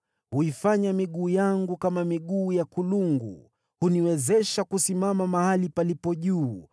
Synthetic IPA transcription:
huifaɲamiɠuːjaŋɡukamamiɠuːjakuluŋɡṵ | huniwɛzɛʃakusimamamahalipalipɔʄuː

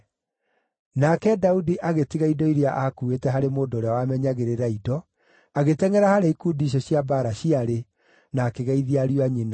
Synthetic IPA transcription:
nakɛdaudiʔaɣetiɣaidɔiɾjaʔakuetɛɦaɾemoːdoːɾeawamɛɲaɣeɾeɾaidɔ | aɣetɛŋɛɾahaɾeikudiɕ̬ɔɕiabaɾaɕiaɾe | naːkeɣaiðiaɾiwaɲina

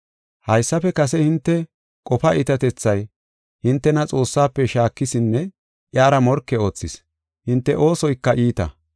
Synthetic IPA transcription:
hɐjsːɐpɛkɐsɛhɪnt̪ːɛ | kʼɔpɐʔɪt̪ɐt̪ɛt͡sːɐj | hɪnt̪ːɛnɐt͡sʼo̞ːsːaːpːɛʃaːkːɪsɪnːɛ | ʔjaːɾɐmɔɾkːɛo̞ːt͡sːɪs | hɪnt̪ːɛʔo̞ːsɔjkːɐʔiːt̪ɐ̰

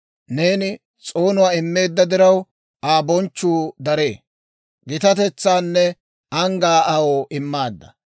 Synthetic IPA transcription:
ne̞ːnɪ | t͡sʼo̞ːnʊwaːɪmːe̞ːd̪ːɐd̪ɪɾɐw | aːbɔnt͡ʃːuːd̪ɐɾe̞ː | ɡɪt̪ɐt̪ɛt͡sːaːnːɛ | ɐŋɡaːɐwoːʔɪmːaːd̪ːɐ

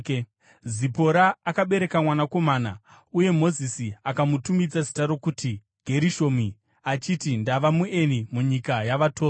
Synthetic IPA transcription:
zipo̞ɾaːkaɓe̞ɾe̞kamwanako̞maːna̰ | uje̞mo̞zisiakamutumid͡zazitaɾo̞kuːti | ɡ̥ʱe̞ɾiʃo̞mi | at͡ʃitindaʋamuʔe̞nimuɲikajaʋatoː

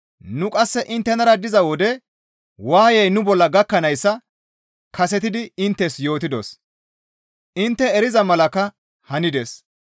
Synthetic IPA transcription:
nʊkʼɐsːɛʔɪnt̪ːɛnɐɾɐd̪ɪzɐwɔd̪ɛ | waːjɛjnʊbɔlːɐɡɐkːɐnɐjsːɐ | kʰɐs̬ɛt̪ɪd̪ɪɪnt̪ːɛsjo̞ːt̪ɪd̪o̰s | ʔɪnt̪ːɛɛɾɪzɐmɐlɐkɐ | hɐnɪd̪ɛs

